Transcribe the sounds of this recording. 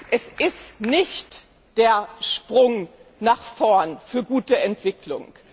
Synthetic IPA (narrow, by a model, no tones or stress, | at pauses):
ʔɛsʔɪstnɪçt | d̥eːɐʃpʁ̥ʊŋnaːχfɔɐnfyːɐɡuːtəɛntv̥ɪkʰlʊ̰ŋ